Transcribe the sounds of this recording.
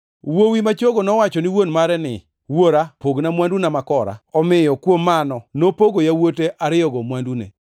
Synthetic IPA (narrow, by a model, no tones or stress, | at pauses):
wowimat͡ʃoɡonɔwat͡ʃɔnɪwonmaɾɛnɪ̰ | woɾapoɡnamwandunamakɔɾa̰ɔmɪjɔkwomːanɔnopoɡojawoteʔaɾɪɔɡɔmwandunḛ